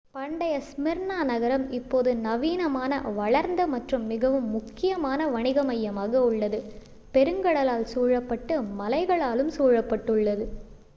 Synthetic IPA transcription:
pɐɳɖɐjɐsmɪɾɳaːnɐɣɐɾɐmɪpːoːðɯnɐʋiːnɐmaːnɐ̰ʋɐɭɐɾnd̪ɐmɐʈrɯmːɪɣɐʋɯmːʊkːɪjɐmaːnɐʋɐɳɪɣɐmɐjːɐmaːɣɐʊɭːɐðɯ | pɛɾɯŋɡɐɽɐlaːlsuːɻɐpːɐʈːɯmɐlɐɪɣɐɭaːlɯmsuːɻɐpːɐʈːɯɭːɐðɯ

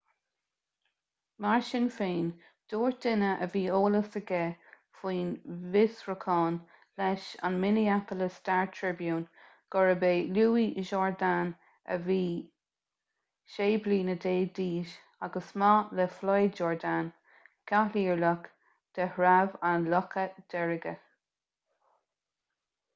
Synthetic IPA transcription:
maɹʃɪnfeːn | d̪̥oːɹd̪ɪnəʔəviːoːləsəɡɛ | fiːnvɪsɹəkʰɑːn | lɛʃa̰nmɪniakələstaɹtʰɹɪbjuːn | ɡ̥ɔɹəbeːluːiʔʒɔːɹdan | ə̰viː | ʃeːbliːnədeːd̪iːʃ | aɡəsmɑlɛflɑjd͡ʒɔːɹd̪an | kʰaliːɹlək | d̪̥ɛhɹavanlɔkʰəd̪̥ɛɹəɡə

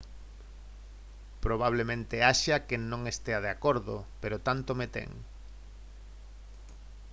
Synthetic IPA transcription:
pɾoβ̞aβ̞lemẽnt̪eaʃakenõŋest̪eað̞eakoɾðopeɾot̪ant̪omet̪ḛŋ

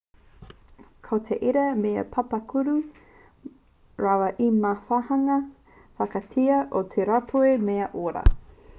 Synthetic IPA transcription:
kʰot̪ʰeʔiɾɐmeɐ̰pʰɐpɐkʰuɾu | ɾawɐʔimafahɐŋɐ | fɐkɐtʰiɐʔot̪ʰeɾapʰuemeɐʔoɾɐ̰

